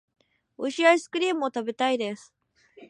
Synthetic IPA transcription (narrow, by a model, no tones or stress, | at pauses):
oɕiaisɨ̥kɯ̟ɾʲiːmɯ̟ot̪abe̞t̪aid̪e̞sɨ̥